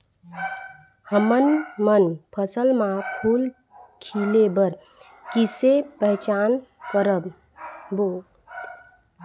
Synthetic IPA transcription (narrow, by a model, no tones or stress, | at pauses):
həmənmənpʰəsəlmãpʰul | kʰilebəɾ | kisepəɦt͡ʃankəɾəb | bo